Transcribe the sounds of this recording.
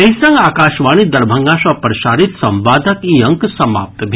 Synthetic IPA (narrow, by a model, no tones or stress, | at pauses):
eːɐ̃ŋɡaːkaːʃʋaːñid̪ɐɾbʱɐŋɡaːʃɐpɾɐʃaːɾit̪sɐ̃mʋaːd̪ʱɐkiɐ̃ŋksɐma̰ːp̚t̪bʱ